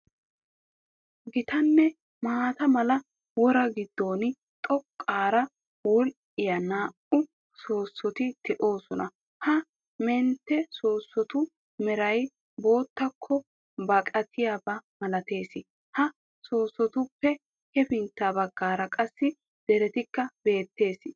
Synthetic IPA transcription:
ɡɪt̪ɐnːɛ | maːt̪ɐmɐlɐ | wɔɾɐɡɪd̪ːo̞ːnɪ | t̪ʼɔkʼːaːɾɐ | wɔl | ɪjɐnaːʔʊ | so̞ːsːɔt̪ɪd̪̥ɛʔo̞ːsɔnɐ | hɐ | mɛnt̪ːɛso̞ːsːɔt̪ʊ | mɛɾɐj | bo̞ːt̪ːɐkʰːɔ | bɐkʼɐt̪ʰɪjabɐmɐlɐt̪e̞ːsɪ | hɐ | so̞ːsːɔt̪ʊpːɛ | hɛfɪnt̪ːaːbɐɡːaːɾɐkʼɐsːɪ | d̪̥ɛɾɛt̪ɪkːɐb̥e̞ːt̪ːe̞ːsɪ

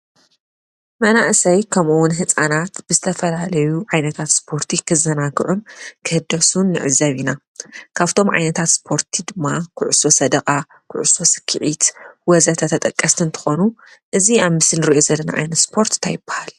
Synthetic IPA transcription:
mɐnaʔsɐjkʰɐmuwʊnɦɨt͡sʼanat̪b̥ɨzɨt̪ʰɐfɐlalɐjuʕajnɐt̪ʰat̪spʰo̞ɾt̪ʰikʰɨzɐnakɨʕunkʰɨhɨd̪ɐsunːɨʕɨzːɐβina | kʰaβt̪ʰo̞mʕa̰jnɐt̪ʰat̪spʰo̞ɾt̪ʰid̪ɨmːakʰʊʕuso̞sɐd̪ɐkʼa | kʰʊ̰ʕuso̞sɨ̥kʰːɨʕit̪wɔzɐt̪ʰɐt̪ʰɐt̪ʼɐkʼːɐst̪ʰɨnt̪ʰɨ̥xo̞nuʔɨziaβmɨsɨnɨɾiʔo̞zɐlːɐna̰ʕa̰jnɐt̪spʰo̞ɾt̪t̪ʰajɪb̥ːḁhal

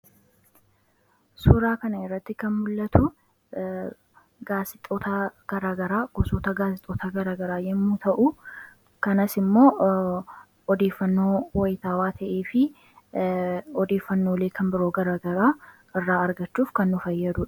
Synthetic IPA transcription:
suːɾaːkɐnɐɪrːɐt̪ːɪkɐnmʊlːɐt̪ʊ | ɡaːsɪt̪ʼoːt̪ɐɡ̥ɐɾaːɡɐɾaːɡ̥ɔsɔːt̪ɐɡaːsɪt̪ʼːoːt̪ɐɡɐɾaːɡɐɾaːjɛmːuːt̪ʰɐʔʊ | kɐnɐsɪmːo̞ː | ɔd̪e̞ːfːɐnːo̞ːwɐjɪt̪aːwaːt̪ʰɐʔeːfɪ | ɔd̪e̞ːfːɐnːo̞ːleːkʰɐnbɪɾoːɡɐɾaːɡɐɾaː | ɪrːaːɐɾɡɐt͡ʃːuːfkɐnːʊfɐjːɐd̪ʊᶑɐ̥

